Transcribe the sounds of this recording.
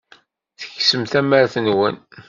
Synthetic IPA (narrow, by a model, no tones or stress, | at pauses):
θə̥çsəmθæməɾθənwə̰n